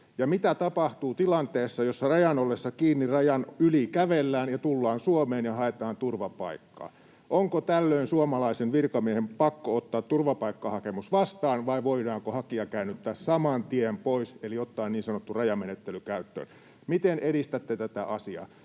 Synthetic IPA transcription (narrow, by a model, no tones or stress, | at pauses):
jɑmit̪æt̪ɑpɑht̪uːt̪ilɑnt̪eːsːɑjosːɑrɑjɑnolːesːɑkiːnːirɑjɑnylikæʋelːæːnjɑt̪ulːɑːnsuomeːnjɑhɑet̪ɑːnt̪urʋɑpɑ̰ikːɑ̰ː | ʔoŋkot̪ælːøinsuomɑlɑisenʋirkɑmiehempɑkːoot̪ːɑːt̪ːurʋɑpɑikːɑːhɑkemusʋɑst̪ɑːnʋɑiʋoidɑːŋkohɑkiɑkæynːˑyt̪ːæːssɑmɑnt̪iempoiseliot̪ːɑːnniːnsɑnot̪ːurɑjɑmenet̪ːelykæyt̪ːø̰ːn | mit̪eneɾist̪æt̪ːet̪æt̪æʔɑsiɑ̰